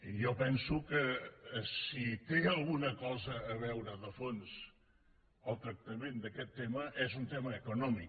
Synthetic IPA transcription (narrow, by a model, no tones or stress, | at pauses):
jɔpɛnsukəsit̪eəlˠɣunəkɔzəːβɛwɾəðəfons | əlˠt̪ɾək̚t̪əmend̪əkɛt̪ːeməʔɛzunt̪ɛməːkunɔmik